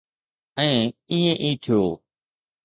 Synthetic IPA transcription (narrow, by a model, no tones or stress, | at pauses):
ɛ̃ːĩːẽːʔiːt̪ʰɪjoː